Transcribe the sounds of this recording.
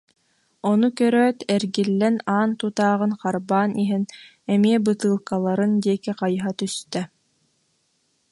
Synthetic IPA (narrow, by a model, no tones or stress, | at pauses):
ɔnukœɾœːt̪ɛɾɡilːɛnaːnt̪ut̪aːʁɯnqaɾbaːnʔiɦin | ɛmiɛbɯt̪ɯːlˠkalˠaɾɯnd̪iɛkiqajɦat̪yst̪ɛ